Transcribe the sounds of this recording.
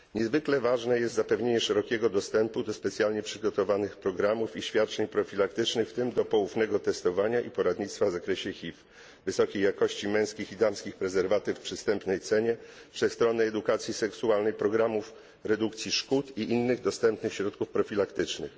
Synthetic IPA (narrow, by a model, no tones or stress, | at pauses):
ɲɛzvɘklɛvaʐnɛjɛst̪zapɛvɲeɲɛʂɛɾɔkʲɛɡɔd̪ɔst̪ɛmpud̪ɔspɛt̪sʲjalɲɛpʂɘɡɔt̪ɔvanɘxpɾɔɡɾamufiɕfʲjat̪̚t͡ʂɛɲpɾɔfʲilakt̪ɘt͡ʂnɘxft̪ɘmd̪ɔpɔwufnɛɡɔt̪ɛst̪ɔvaɲaʔipɔɾad̪ɲit̪st̪favzakɾɛɕɛxʲif | vɘsɔkʲejːakɔɕt͡ɕimɛ̃w̃skʲixid̪amskʲixpɾɛzɛɾvat̪ɘfpʂɘst̪ɛmpnɛjt̪sɛɲɛpʂɛst̪ɾɔnɛɛd̪ukat̪sʲjisɛksualnɛjpɾɔɡɾamuf | ɾɛd̪ukt̪sʲjiʂkut̪iʔinːɘɣd̪ɔst̪ɛmpnɘxɕɾɔt̪kufpɾɔfʲilakt̪ɘt͡ʂnɘ̰x